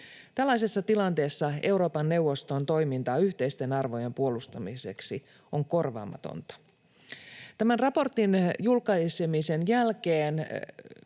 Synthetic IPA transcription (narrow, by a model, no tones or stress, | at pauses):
t̪ælːɑisesːɑt̪ilɑnt̪e̞ːsːɑe̞wɾo̞ːpɑnːe̞uwʋːo̞st̪o̞nt̪o̞jmint̪ɑːyht̪eist̪e̞nɑrʋojempuo̞lust̪ɑmiseksi | oŋko̞rʋɑ̰ːmɑ̰t̪o̰nt̪ɑ̥ | t̪æmænrɑpo̞rt̪injulkɑisemise̞njælkeːn